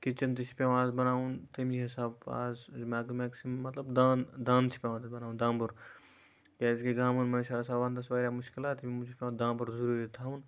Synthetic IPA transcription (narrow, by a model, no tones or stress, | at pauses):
kɪt͡ʃɐnt̪it͡ʃʰi̥pʲjãːʋaːzbɐnaːunt̪ɐmiɦɪsaːba̰ːzmaːɡmaːksimːɐt̪lɐbd̪aːnd̪ãːnt͡ʃʰi̥pʲjãːat̪ɐbɐnaːũnd̪ãːmbɐɾ | kʲaːzɡeɡaːmɐnmɐnʃaːsaːbaːnd̪ɐsʋaːɾʲjaːmʊʃkɪlaːt̪imimud͡ʒpʲjãːd̪ãːmbuɾzuɾuːɾit̪ʰaːun